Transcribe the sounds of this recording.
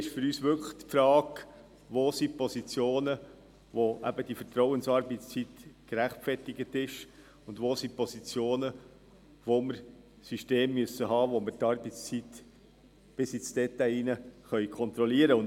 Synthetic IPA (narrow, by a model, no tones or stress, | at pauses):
ɪʃfʏɾyːsʋʏkχt̪pfɾɑːɡ | ʋoːsipɔsit͡sjoːnə | ʋoʔæ̰bəd̥ifəɾtɾɔwənsɑɾbɪtst͡sit̪kɾæχtfɛrtɪɡətɪʃ | ʊndʋoːsipɔsit͡sjoːnə | ʋoməɾ | syʃteːmːyəsəɦɑːʋoməɾtɑɾbəst͡sit̪ | b̥ɪsit͡sd̥ɛt̪æjinəχœʏkʰɔnt̪ɾɔliəɾəʊn